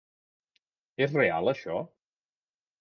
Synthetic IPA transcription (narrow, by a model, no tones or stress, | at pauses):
ezrea̰lˠəʃɔ